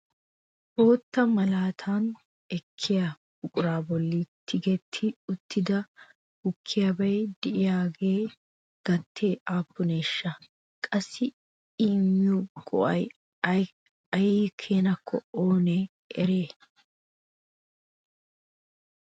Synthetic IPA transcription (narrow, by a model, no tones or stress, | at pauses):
ʔo̞ːt̪ːɐmɐlaːt̪ʰaːn | ɛkʰːɪjɐ | b̥ʊkʼʊɾaːbɔlːit̪ʰːɪɡɛt̪ʰːɪʊt̪ʰːɪd̪ɐ | hʊkʰːɪjɐbɐjd̪̥ɪʔɪjaːɡe̞ː | ɡ̥ɐt̪ʰːeːʔaːpːʊneːʃːɐ | kʼɐsːɪ | iːmɪuɡʼɔ̰ʔɐj | ɐjiːkʰeːnɐkʰːɔoːneː | ʔɛɾe̞ː